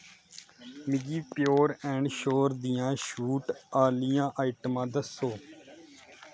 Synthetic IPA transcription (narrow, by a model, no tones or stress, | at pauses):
mɪɡiːpjoːɾɛ̃ːɳɖʃoːɾd̪ijãːʃuːʈaːlijãːʔaːiːʈəmãːd̪əsːoː